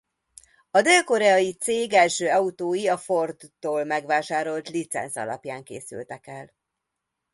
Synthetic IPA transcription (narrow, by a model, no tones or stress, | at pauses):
ɒd̪eːlko̞ɾɛɒjit̪seːɡɛlʃøːɒut̪oːjiɒfo̞rd̪oːlmɛɡʋaːʃaːɾo̞lt̪lit̪sɛ̰nsɒ̰lɒ̰pjaːŋkḛːsy̰lt̪ɛkɛl